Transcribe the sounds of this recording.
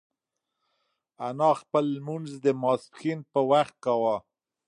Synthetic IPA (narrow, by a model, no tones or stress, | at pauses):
anɑxpəlːmunzd̪əmɑskinpəwaxt̪̚kawa